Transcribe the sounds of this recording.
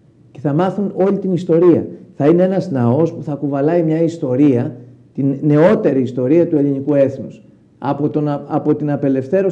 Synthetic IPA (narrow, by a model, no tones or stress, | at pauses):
ce̞θɐmɐθuno̞ʎit̪inist̪o̞ɾiɐ̰θɐine̞e̞nɐznɐo̞spuθɐːkuvɐlɐimɲɐist̪o̞ɾiɐ | t̪inːe̞o̞t̪e̞ɾiːst̪o̞ɾiɐt̪ue̞linikue̞θnus | ɐp̪oɐpo̞t̪inɐpe̞le̞fθe̞ɾo